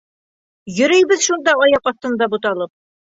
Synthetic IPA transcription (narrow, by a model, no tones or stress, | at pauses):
jɵ̆ɾɘ̆jbɘðʃund̪ɑɒjɑqɒθt̪ɤ̆nd̪ɑbut̪ɑlˠɤp̚